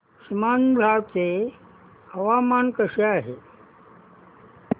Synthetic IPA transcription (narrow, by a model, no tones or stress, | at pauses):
ʂimaːnbʱat͡se | ɐʋaːmaːnkəʂeaːɦḛ